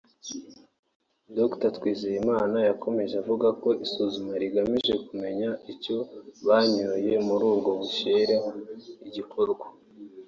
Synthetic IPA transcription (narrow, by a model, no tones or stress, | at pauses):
doktatwiːzijimaːnajakʰo̞me̞ʒeavuɡako̞ʔisuzumaɾiɡamiʒe̞kume̞ɲaico̞βaɲoje̞muɾuːbɡo̞βuʃeːɾeɦoiɟikʰoɾɡwa